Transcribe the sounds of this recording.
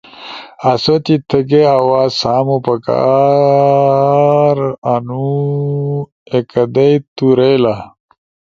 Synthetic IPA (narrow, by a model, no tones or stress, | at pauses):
ɐsot̪it̪ʰəɡeawaːsaːmopɐka̰ | ɾanu | ekɐd̪ɐjt̪uɾela